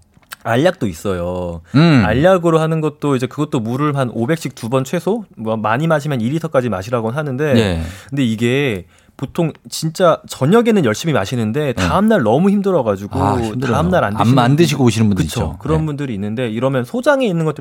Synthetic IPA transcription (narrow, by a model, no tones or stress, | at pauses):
aʎːak̚t͈ois͈ʌjo | a̰ʎːaɡɯɾoɦanɯnɡʌt̚t͈oid͡ʑe̞kɯɡʌt͈̚omuɾɯɭmanobe̞k̚ɕ͈ʰik̚tubʌnt͡ɕʰwe̞sʰomʌmaɲimaɕ̬ʰimjʌniɾitʰʌk͈ad͡ʑimaɕʰiɾaɡonɦanɯnde̞ekɯnde̞iɡe̞ | potʰoŋt͡ɕint͡ɕ͈at͡ɕʌɲʌɡe̞nɯnjʌɭɕ͈imimaɕʰinɯnde̞taɯmnaɭnʌmuçimdɯɾʌɡad͡ʑuɡotaɯmnaɾa̰ndandɯɕʰiɡooɕʰinɯnbundkɯit͡ɕʰo̰kɯɾʌnbundɯɾiːnːɯnde̞iɾʌmjʌnsʰod͡ʑaŋe̞inːɯnɡʌt͈